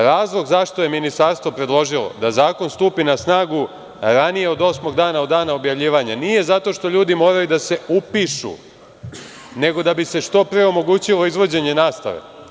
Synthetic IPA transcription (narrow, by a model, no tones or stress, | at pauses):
ɾaːzlˠo̞ɡzaʃt̪o̞je̞minist̪aɾst̪vʋo̞pɾe̞d̪lˠo̞ʒilo̰d̪azaːko̞nst̪uːpinasnaːɡu | ɾanije̞o̞d̪o̞smo̞ɡd̪aːnaod̪ːaːnaobjaʋʎiːʋaɲanije̞zat̪o̞ʃt̪o̞ʎuːd̪imo̞ːɾajud̪ase̞upiʃṵ | ne̞ɡo̞d̪abise̞ʂt̪o̞pɾeo̞mo̞ɡuːt͡ɕilˠo̞izʋo̞d͡ʑe̞ɲe̞naːst̪a̰ʋḛ